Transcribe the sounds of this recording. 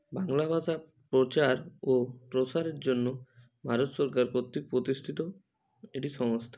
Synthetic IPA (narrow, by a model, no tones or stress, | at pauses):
baŋlabʱad͡ʑa | pɾot͡ɕaɾoʈɾosaɾeɾd͡ʑonːo | bʱaɾot̪sɔɾkaɾpot̪ːik̚pɾot̪isʈ̪ʰit̪o | eʈiʃɔŋost̪ʰḁ